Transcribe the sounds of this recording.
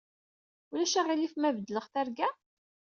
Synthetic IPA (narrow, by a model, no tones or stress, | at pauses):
ulæʃæʁilifmævəd̪ːləʁθæɾɡæ